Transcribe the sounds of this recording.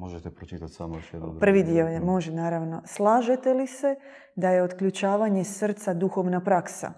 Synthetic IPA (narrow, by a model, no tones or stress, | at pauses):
moʒet̪ɛpɾot͡ʃit̪at̪ʲsamoʃɛɾ̰pr̩ʋid̪iojemo̞ʒenaːɾaʋno̞slˠaːʒe̞t̪elise̞ | d̪aje̞ot̪kʎut͡ʃaːʋaɲe̞sr̩t̪sad̪uxo̞ʋnapɾaksa̰